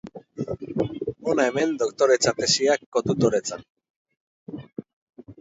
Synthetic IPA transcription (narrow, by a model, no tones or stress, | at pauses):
onaeme̞nd̪okt̪oɾe̞t͡sat̪esiakːot̪ut̪oɾet͡san